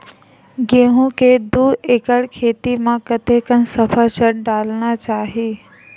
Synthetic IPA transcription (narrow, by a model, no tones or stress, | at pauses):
ɡeːɦũked̪uːeːkəɽkʰeːt̪imãkət̪ekənsəpʰət͡ʃəɽɖaːlnat͡ʃaːɦiː